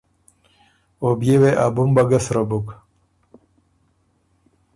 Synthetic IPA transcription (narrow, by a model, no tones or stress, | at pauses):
objeweʔabumbaɡasɾabuk